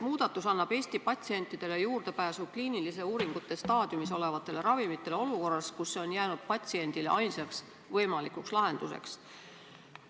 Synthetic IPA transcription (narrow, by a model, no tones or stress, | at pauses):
muːd̪̥ɑt̪ːˑusɑnːɑb̥e̞ːsʲt̪ipɑt̪ʲsie̞nt̪ːˑid̪̥e̞le̞juːrd̪̥e̞pæːsukliːnilise̞uːɾiŋɡ̥ut̪ːˑe̞st̪ɑːd̪̥jumis̬o̞le̞vɑt̪ːˑe̞le̞ɾɑvimit̪ːˑe̞le̞o̞luko̞rːɑskusːeo̞njæːnud̪̥̚pɑt̪ʲsie̞nd̪̥ile̞̰ʔɑjnsɑks | vɤjmɑlikukslɑɦe̞nd̪̥use̞̰ks